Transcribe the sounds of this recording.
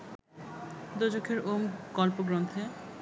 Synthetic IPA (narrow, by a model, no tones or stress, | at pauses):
d̪od͡ʑokʰeɾomɡɔlpoɡɾont̪ʰe